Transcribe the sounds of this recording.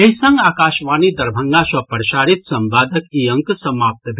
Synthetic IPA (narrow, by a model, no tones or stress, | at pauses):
eɦisə̃ŋɡaːkaːʃʋaːnid̪ɐɾbʱə̃ŋɡãsɐpəɾʃaːɾit̪sɐ̃mbaːd̪əkiə̃ŋksɐmaːp̚t̪bʱ